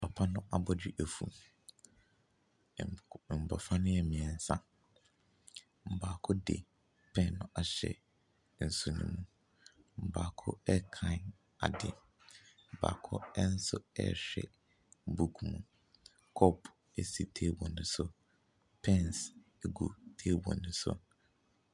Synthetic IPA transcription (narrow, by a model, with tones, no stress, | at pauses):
pʰa˨pʰa˦nʊ̃˦ʔa˨bɔ˦d͡ʑᶣɪ˦ʔɛ˨fṵ˨ | m̩˨bɔ̰˨fa˦nʊ̃˦jɛ˨mɪ̃˨ɛ˨n̩˨sã˦ | m̩˨baː˨kʰʊ˦dɪ̰˨ | pʰɛ̃˦˨nːʊ̃˦ʔa˨ɕɛ̰˨ | n̩˨su˨nṵ̃˦mũ˦ | m̩˨baː˨kʰʊ̰˦ɛ˦kʰã˦˨n | a̰˨dɪ˨ | m̩˨ba̰ː˨kʰʊ˦ɛ˦n̩˦sʊ˦ɛ̰˦ɕᶣɛ̰˨ | bu˦˨kʰmũ˨ | kʰɔ˦pʰ | ɛ˦si˨tʰe˦bɔ̃˨nʊ̃˦sʊ˦˨ | pʰɛ̃˦ns | ɛ˦ɡu˨tʰe˦bɔ̰̃˨nʊ̃˦sʊ̰˦